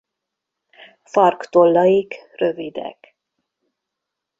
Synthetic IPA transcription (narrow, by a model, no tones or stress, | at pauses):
fɒrkt̪olːɒjikrø̞vid̪ɛ̰k